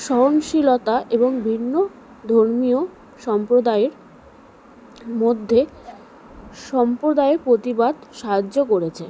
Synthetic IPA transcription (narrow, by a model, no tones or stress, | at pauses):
ʃɔɦonʃilot̪aʔeboŋbʱinːo | d̪ʱoɾmio | ʃɔmpɾod̪aeɾ | mod̪ʱːe | ʃɔmpɾod̪aepɾot̪ibad̪ʃaɦad͡ʑokoɾet͡ɕʰe